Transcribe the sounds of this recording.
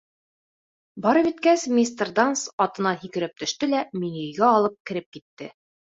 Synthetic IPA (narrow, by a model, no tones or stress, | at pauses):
bɒɾɤ̆βit̪kæsmʲist̪ərd̪ansɒt̪ɤ̆nɑhikɘ̆ɾɘp̚t̪ɵ̆ʃt̪ɘlæminɵ̆jɡæɒlˠɤp̚kɘ̆ɾɘp̚kit̪ːɘ